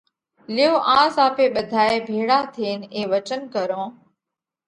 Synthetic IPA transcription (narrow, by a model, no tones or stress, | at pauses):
lɪjoːʔãːzaːpeːɓəd̪ʱaːeːbʱeːɽaːt̪ʰeːnẽːʋət͡ʃənkəɾõː